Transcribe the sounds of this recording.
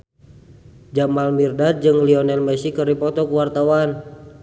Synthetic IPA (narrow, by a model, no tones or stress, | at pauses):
d͡ʒamalmirdad͡ʒɨŋliɔnɛlmɛsikəɾipɔt̪ɔkuwart̪awan